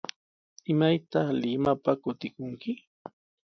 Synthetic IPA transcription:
ɪmajt̪ɑχlɪmapakʊt̪ɪkʊŋkɪ

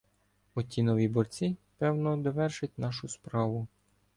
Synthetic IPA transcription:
ɔt̪ʲinɔʋʲibɔrt͡sʲipɛwnɔd̪ɔʋɛrʃɪtʲnɑʃʊspɾɑʋʊ

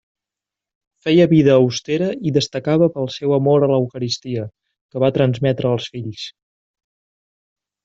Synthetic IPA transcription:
fɛjəβiðəːwst̪eɾəiðəst̪əkaβəpəlˠsɛwəmoɾələwkəɾist̪iə | kəβat̪ɾənzmɛt̪ɾəːlˠsfiʎs

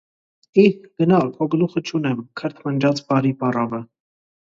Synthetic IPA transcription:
iɡ̥ənɑlpʰɔɡluχət͡ʃʰunɛmkʰəɾt̪ʰmənd͡ʒɑt͡sbɑɾipɑrɑvə

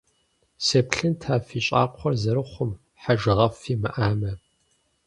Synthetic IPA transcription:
seːpɬɨntʰaːfiːɕʼa̰ːqʷʰɔrzɐɾɨχʷʊm | ħaʒɨʁɐfiːmɨ̰ʔaːmɐ

